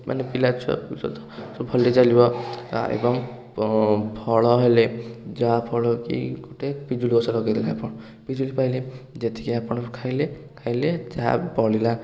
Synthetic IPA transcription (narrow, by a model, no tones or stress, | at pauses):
ma̰nepilat͡ʃʰɔ̰st̪ɔsbʱɔlet͡ʃalibɔ̰ḛbɔm | pʰɔɭɔɦeled͡zɔapʰɔɭɔkḭkoʈepid͡ʒuliosaɾɔɡɔt̪ʰilaapɔɽ̃ | pid͡ʒulipajled͡ʒet̪i̥kʰiapɔɽ̃kʰajlekʰajled͡ʒa̰bɔɽila